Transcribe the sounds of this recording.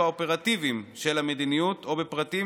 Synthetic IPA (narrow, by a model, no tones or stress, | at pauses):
aope̞ʁat̪ivimʃe̞lame̞d̪inijut̪o̞bepʁat̪i